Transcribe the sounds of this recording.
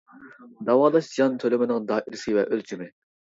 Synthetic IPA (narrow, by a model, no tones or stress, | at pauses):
d̪ɑwɑːlˠɑʃd̪ijɑnt̪ʰølymɪnɪŋd̪ɑːʔiɾsɪvɛʔølt͡ʃʰimɪ